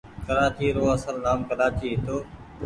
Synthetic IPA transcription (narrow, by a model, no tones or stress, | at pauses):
kəɾaːt͡ʃiːɾoːəsəlnaːmkəɾaːt͡ʃiːɦɪt̪oː